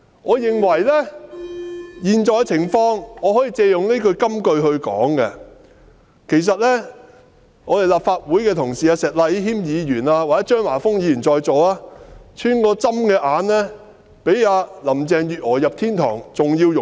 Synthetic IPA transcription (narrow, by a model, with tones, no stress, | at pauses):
ŋɔː˨˧jɪ˨ŋwɐ˨˩jlɛː˥ | jiː˨nt͡sɔː˨jkɐ˧t͡sʰɪ˨˩ŋfɔː˧ŋɔː˨˧hɔː˨˥jiː˧t͡seː˧jʊ˨ŋne˥kɵ˧ɥkɐ˥mkɵ˧ɥɦɵ˧ɥkɔ̰ː˨˥ŋkɛ˧ | kʰe˨˩js̬ɐ˨t̚lɛː˥ | ŋɔː˨˧t̪e˨˩laː˨p̚faː˧t̚wuː˨˥jkɛː˧t̪ʰʊ˨˩ŋsiː˨jaː˧sɛː˨˩t̚la˧jɦiː˥mjiː˨˧jyː˨˩naː˧wa˨ɛː˨˦˥t͡ʃœː˥ŋwaː˨˩fʊ˥ŋjiː˨˧jyː˨˩nt͡sɔː˨jt͡so˨waː˧˥t͡ʃʰyː˥nkɔː˧t͡sɐ˥mkɛː˧ʔaː˨˧nlɛː˥ | pe˨˥jaː˨˧lɐ˨˩mt͡sɛː˨ŋjyː˨t̚hɔː˨˩jɐ˨p̚t̪ʰiː˥nt̪ʰɔ̰ː˨˩ŋt͡sʊ˨ŋjiː˧wjʊ˨